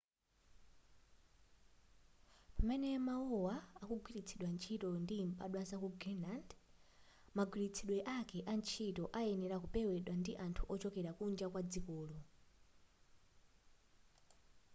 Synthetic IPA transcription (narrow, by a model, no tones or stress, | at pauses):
pamɛnɛmauwaakuɡwilit͡sʰiɗwant͡ʃʰitɔndimɓa̰ɗwasakuɡinland | maɡwiɾit͡sʰiɗwɛʔakɛʔant͡ʃʰitɔʔaɛnɛɾakupɛwɛɗwandiʔantʰuʔɔt͡ʃɔkɛɾakund͡ʒakwad͡zikɔːlɔ